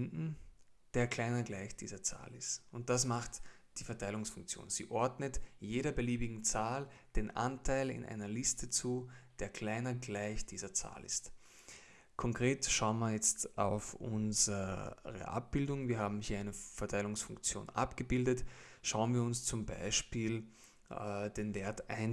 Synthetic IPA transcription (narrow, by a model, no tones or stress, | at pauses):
ndn̩d̥eːɐkʰl̥aɪnɐɡlaɪçd̥ḭːzɐt͡sa̰ːlɪstʊnt̚d̥as̬maχtd̥iːfɛɐtʰaɪlʊŋsfʊŋk̚t͡sjo̰ːnz̥ḭːʔɔɐdnətjeːɾɐbəliːbɪɡŋ̩t͡saːld̥eːnʔa̰ntʰaɪlɪ̰nʔa̰ɪnɐlɪstʰət͡suːd̥eːɐkʰl̥aɪnɐɡlaɪçd̥iːzɐt͡sa̰ːlɪ̰st | kʰɔŋkʁ̥eːtʃaʊənmajɛt͡stʔa̰ʊfʔʊ̰nzəʁə̰ʔa̰p̚b̥ɪldʊŋviːɐhaːbm̩hiːɐaɪnəfɛɐtʰaɪlʊŋsfʊŋkt͡sjo̰ːnʔa̰pɡ̥əbɪldətʃaʊənviːɐʊnst͡sʊmba̰ɪʃpiːl | d̥eːnveːɐta̰ɪn